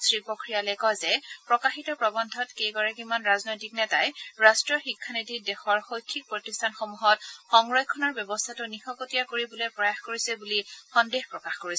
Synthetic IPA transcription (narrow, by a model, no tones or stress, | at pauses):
sɹipokɹijalɛkɔjzɛpɹɔkaxitɔpɹɔbɔndʱɔtkejɡɔɹakimanɹaznojtik̚nɛtajɹastɹiɔxikʰːanitidɛxɔɹxojkʰːik̚pɹotistʰanxomuɦɔtxɔŋɹɔjkʰːɔnɔɹbjɔbɔstʰatʊnixɔkotijakoɹibɔlojpɹɔjaxkoɹisɛbulixɔndexpɹɔkaxkoɹisɛ